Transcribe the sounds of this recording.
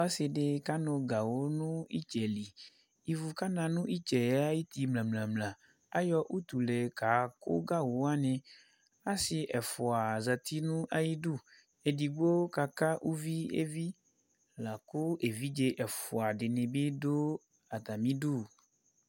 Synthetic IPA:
a˦se˨ɖe˦ka˦nõ˨ɡa˨wo˦nũ˦ḭ˦t͡ʃɛ˨li˨ | i˦vu˨ka˦nã˨nũ˦ʔi˦t͡ʃɛ˨ja˦ji˦t̪i˨mlã˨mlã˨mlã˨ | a˦jɔ˦ʔu˦t̪u˨le˨ka˨ko̰˦ɡa˦wo˨˦a˦nẽ˨ | a˦si˨ʔɛ˨fɔ˨a˨za˨t̪i˦nũ˦ʔa˦ji˦ɖu˦˨ | e˨di˨ɡ͡bo˦ka˨ka˦ʔu˦vi˦ḛ˦vi˦ | la˨ko˦ʔe˨vi˦d͡ʒe˦ʔɛ˨fɔ˨a˨ɖe˨nẽ˨be˦do˦ | a˨t̪a˨mĩ˦ɖu˦˨

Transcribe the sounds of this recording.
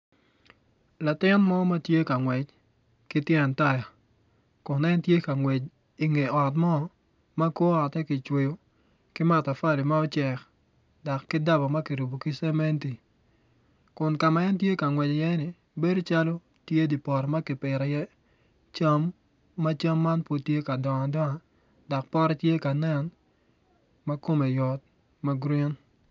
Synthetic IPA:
la˨tɪ˦nmɔ˦ma˦tje˦ka˨ŋwɛ˨t͡ʃ | kɪ˦tjɛ˨nta˦ja˨ | kʊ˨nɛ˦ntje˦ka˨ŋwe˨t͡ʃ | i˨ŋe˨ɔ˨tmɔ˦ | ma˦ko˦a˨tɛ˦kɪ˨t͡ʃwe˨jo˦ | kɪ˦ma˨ta˨fa˦lɪ˨ma˦ɔ˦t͡ʃɛ˨k | dɔ˨kːɪ˦da˦bɔ˨ma˦kɪ˨ɾu˨bo˨kɪ˦sɛ˦mɛ˦nti˨ | kʊ˨nka˨ma˨ɛ˦ntje˦ka˨ŋwɛ˨d͡ʒɔ˨jɛ˦nɪ˨ | be˦do˦t͡ʃa˦lo˦ | tje˦di˨pɔ˨ɾɔ˨ma˦kɪ˨pɪ˨ɾɛ˨jɛ˦ | t͡ʃa˦mː | a˦t͡ʃa˦mːa˦npo˦tje˦ka˨dɔ˨ŋ˨dɔ˦ŋa˨ | dɔ˨k̚pɔ˦ɾɛ˦tje˦ka˨nɛ˦n | ma˦ko˦me˨jɔ˨t̚ | ma˦ɡɾi˦n

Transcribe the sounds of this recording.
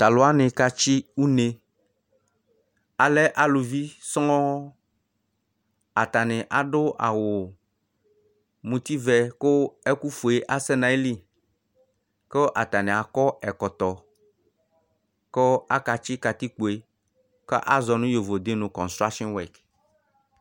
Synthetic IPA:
t̪a˨lo˨˦a˦nɪ̃˨ka˦t͡ʃi˦u˦ne˨ | a˨lɛ˦ʔa˨lu˨vi˦sɔ˦ɔ̃˦ | a˨t̪a˨nɪ̃˨ʔa˨ɖʊ˦ʔa̰˨wo˨ | mũ˨t̪i˦vɛ˨ko˦e˦ku˦fu˨e˨ʔa˦sɛ˦nã˨e˦li˦ | ke˦ʔa˨t̪a˨nẽ˨a˨kɔ˦ɛ˨kɔ˨t̪ɔ˨ | ko˦a˦ka˨t͡ʃi˦ka˨t̪i˦k͡po˨e˨ | kḛ˦ʔa˦zɔ˨nũ˦jo˨vo˨d̪e˦nũ˨kɔ̃˨nst̪ɾa˦kʃɔ̃˦nwɛ˨k

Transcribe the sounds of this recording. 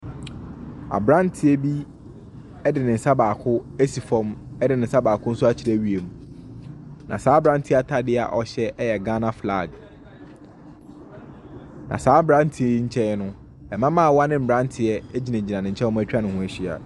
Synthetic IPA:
a̰˨bɾã˦ntʰɪ˨ɛ˦bi˦ | ɛ˦dɪ˨nɪ̃˨n̩˨sa˦baː˨kʰʊ˦ɛ˦si˨fɔ̃˦mɛ˦dɪ˨nɪ̃˨n̩˨sa˦baː˨kʰʊ̃˦n̩˦sʊ˦a˦t͡ɕʰi˨˦ɾæ˦˨ɥi˦e˨mũ˨ | nʔã˨saː˨˦bɾã˦ntʰɪ˦a˨tʰa˨dɪ˦a̰˨ʔɔ˨ɕɛ˦ʔɛ˦jɛ˨ɡã˦nã˦fla˦˨ɡ | nã̰˨saː˨˦bɾã˦n˦tʰi˨e˦˨i˦ɲ̩˦t͡ɕʰɛ˦nʊ̃˦ | ɛ˨mã˦mã˦a˨wa˦nɪ̃˦m̩˨bɾã˦ntʰɪ˨ɛ˦ɛ˦d͡ʑi˨nã˨d͡ʑi˨nã˨nɪ̃˨ɲ̩˨t͡ɕʰɛ̃˦æ˦t͡ɕᶣa˦nɪ̃˨hʊ̃˦æ˨ɕᶣi˦a̰˨

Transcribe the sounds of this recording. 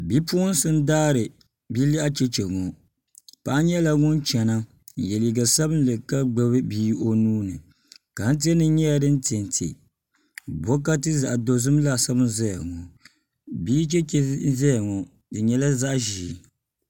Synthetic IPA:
bi˦pu˦n˦sɨ˦n˦daː˦ɾɨ˨ | bi˦li˦ʔa˦t͡ʃɛ˦t͡ʃɛ˨ŋɔ˨ | pa˦ʔɲɛ˦la˦ŋʊ˦nt͡ʃɛ˨na˦˨ | jɛ˨li˨ɡa˨sɛ˦bɨ˦n˦lɨ˨ka˦ɡ͡ba˨βɨ˦biː˦ʔo˦nuː˦nɨ˨ | ka˨n̩˦t̬i˦ɛ˦nɨ˦ɲɛ˦ja˨dɨ˦n̩˦ti˨ɛ˨n˨tʰḛ˨ | bɔ˦k̬a˦tɨ˦za˨ʔdo˨zɨ˦m˦la˦sɛ˦bɨ˦nzɛ˦ja˨ŋɔ˨ | biː˦t͡ʃɛ˦t͡ʃɛ˦zɛ˦ja˨ŋɔ˨ | dɨ˨ɲɛ˦la˦za˦ʔʒiː˨˦

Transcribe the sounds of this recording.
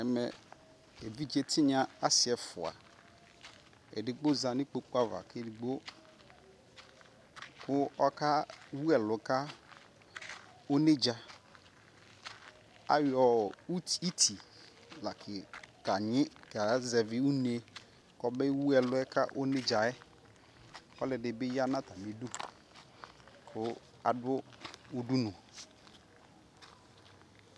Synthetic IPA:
ɛ˨mɛ̰˨ | e˨vi˦d͡ʒe˦tʰɪ˦ɲã˦a˦sɪ˨ɛ˨fʊ˨a̰˨ | ɛ̰˨dɪ˨ɡ͡bo˦za˨nɪ˦k͡po˨k͡pa˦va̰˨ke˦˨dɪ˨ɡ͡bo˦ | kʊ˦ɔ˦ka˦wu˦ɛ˨lʊ˨ka˦ | o˦ne˦d͡ʒa˨ | a̰˦jɔ˨u˦ti˦tʰi˨ | la˨kʰɪ˨ka˨ɲɪ˦ka˨zɛ˨vɪ˦u˦n˦e˨ | kɔ˨bɛ˦wu˦ɛ˨lʊ˦ɛ˦ka˦ʔo˦ne˦d͡ʒa˨ɛ˦ | kɔ˦lɪ˨dɪ˨bɪ˦ja˦nã˦ta˨me˨du˦ | kʊ˦ | a̰˨dʊ˦u˦du˦nʊ̃˨

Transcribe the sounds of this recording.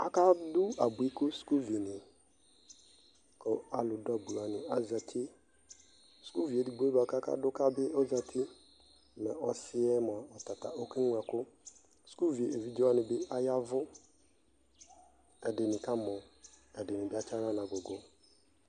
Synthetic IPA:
a˨ka˦dʊ˦a˨bʊ˨i˦kʊ˦sku˦vi˨nɪ˨ | kɔ˨a˨lʊ˨dɔ˦bu˨la˨nɪ̃˨a˦za˨tʰɪ˦ | sku˦vi˨e˨di˨ɡ͡bba˨ka˦ka̰˦dʊ˦ka˦bɪ˦ɔ˦za˨tʰɪ˦ | nɛ˨ɔ˨sɪ˦ɛ˦m˨a˨ɔ˨ta˨ta̰˨ʔo˦ki˦ŋ˨a˨kʊ˦ | sku˦vi˨e˨e˨vi˦d͡ʒo˦a˦nɪ̃˨bɪ˦a˦ja˦vʊ˦ | ɛ˨de˨nɪ̃˨ka˦mɔ̃˨a˨de˨nɪ̃˨bɪ˦a˦t͡ʃa˦ɾa˦n˨ã˨ɡo˨ɡʊ˨

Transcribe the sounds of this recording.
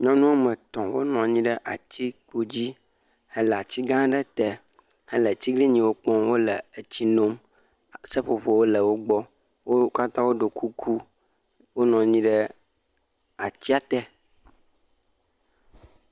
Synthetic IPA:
ɲɔ̃˦nũ˦a˦mə̃˨t̪ɔ̃˨wo˦nɔ̃˨ɲĩ˦ɖə˦ʔa̰˨t̪ʰi˦k͡po˦d͡ʑi˦ | hɛ˦lɛ˨a˨t͡ɕi˦ɡã˦ɖɛ˦t̪ɛ˦ | hɛ˦lə˨t͡ɕ̪i˦ɡli˦ɲĩ˨wo˦k͡pɔ̃˦wo˦lə˨ə˨t͡ɕi˦nõ˦m | sə˦ɸo˨ɸo˨wo˦lə˨wo˦ɡ͡bɔ˦ | wo˦ka˦t̪ã˦wo˦ɖo˨kʰu˦kʰu˦ | wo˦nɔ̃˨ɲĩ˦ɖə˦ | a˨t͡ɕi˦a˨t̪ɛ˦

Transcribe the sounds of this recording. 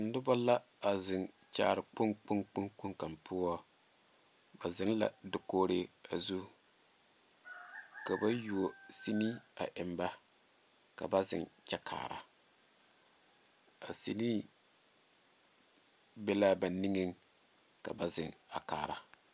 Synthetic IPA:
n̩˨˦nʊ˦ba˦la˦ | a˨zɪ˨ŋ | t͡ʃa̰ː˦˨ɾɨ˨k͡pʊ˦ŋk͡pʊ˦ŋk͡pʊ˦ŋk͡pʊ˦ŋka˨mpʰʊ˦ɔ˦ | ba˨zɪ˦n˦la̰˨dɪ˨koː˦ɾe˦a˨zu˦ | ka˨ba˦ju˨o˨si˦ni˦a̰˨ʔɪ˨mba˦ | ka̰˨ba˦zɪ̰˨ŋt͡ʃɛ˦kʰa̰ː˨ɾa̰˨ | a˨sḭ˦ni˦ | bɛ˦la˦ba˨ni˦ŋɨ˦ŋ | ka̰˨ba˨zɪ˨ŋa˨ka̰ː˨ɾa˨

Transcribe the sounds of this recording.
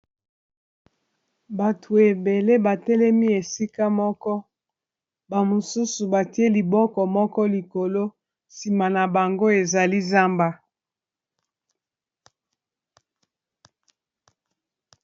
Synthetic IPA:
ba˨tʰu˨e˨be˨le˦ba˨tɛ˦lɛ˦mi˦e˨si˦ka˦mɔ˦kɔ˦ | ba˨mo˨su˦su˨ba˨ti˦e˦li˨bɔ˦kɔ˨mɔ˦kɔ˦li˨ko˨lo˦ | si˨ma˨na˨ba˨ŋɡo˦e˨za˨li˦za˦mba˦

